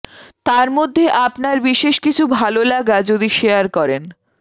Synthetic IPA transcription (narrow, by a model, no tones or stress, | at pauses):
t̪aɾmod̪ʱːeʔapnaɾbiʃeʃkit͡ɕʰubʱalolaɡad͡ʑod̪iʃeaɾkɔɾen